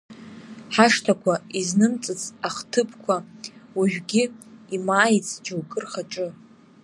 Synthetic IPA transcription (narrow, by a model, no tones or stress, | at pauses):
ħaʂtʰakʷʰaiznɨmt͡sʼɨt͡sʰʼaχtʰɨpʰkʷʰawiʒᶣɡʲiimaːjt͡sʰʼd͡ʒawkʼɨrχaʈ͡ʂʼɨ